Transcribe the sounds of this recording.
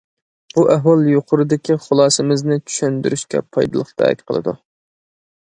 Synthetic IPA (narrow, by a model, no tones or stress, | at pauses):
b̥uʔæɦwɑlˠjoqʰʊɾɨd̪ɪkʲiχʊlˠɑːsɨmɪznɪt͡ʃʰy̥ʃynd̪yɾyʃkʲɛ̰pʰɑ̰jd̪ɨlˠəχt̪ʰɛ̰ɛ̰kʲqʰəlˠɨ̰d̪ṵ